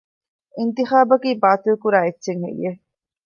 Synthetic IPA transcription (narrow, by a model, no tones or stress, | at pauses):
int̪ixaːbɐkiːbaːt̪ilkuɾaːetːʃeŋhḛjːe